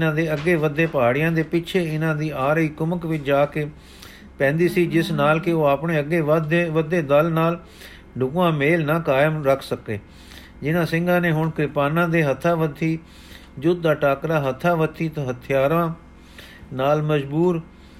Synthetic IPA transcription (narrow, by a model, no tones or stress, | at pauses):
ɪnãːd̪eːəɡːeːʋəd̪eːpaːɽɪjãːd̪eːpɪt͡ʃʰeːɪnãːd̪iːaːɾəiːkʊməkʋɪt͡ʃd͡ʒaːkeː | pɛ̃ːnd̪iːsiːd͡ʒɪsnaːlkɪoːaːpɳeːəɡeːd̪ʋəd̪eːd̪əlnaːl | ɖʱʊkːãːmeːlnãːkaːjəmɾəkʰsəkḛː | d͡ʒɪnãːsɪ̃ŋɡãːneːɦʊɳkɾɪpaːnãːd̪eːɦət̪ʰːaːʋət̪ʰːiː | d͡ʒʊd̪̚d̪aːʈaːkɾaːɦət̪ʰːaːʋət̪ʰːiːt̪ːɦət̪ʰɪjaːɾãː | naːlməd͡ʒbuːɾ